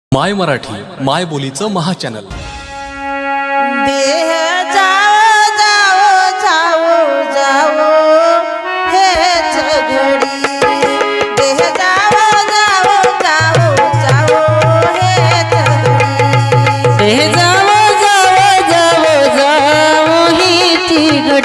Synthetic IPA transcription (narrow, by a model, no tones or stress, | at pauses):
majməɾaʈʰḭː | majbolit͡səməɦat͡ɕænə̰l | b̪eɦəd͡zaʋd͡zaʋod͡zaʋod͡zaʋo | ɦeɦt̪ʰəboɽi | beɦd͡zaʋod͡zaʋod͡zaʋod͡zaʋoɦet̪ʰəboɽi | beɦd͡zaʋod͡zaʋod͡zaʋod͡zaʋoɦit̪iɡə